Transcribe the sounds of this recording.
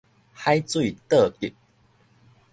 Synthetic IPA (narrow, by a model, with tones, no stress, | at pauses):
ha˥˦jt͡swi˥˨t̪ə˥˧˨i˨˩k̚